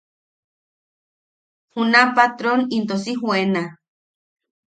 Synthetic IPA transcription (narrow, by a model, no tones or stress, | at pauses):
hunapat̪ɾonint̪osiɦwena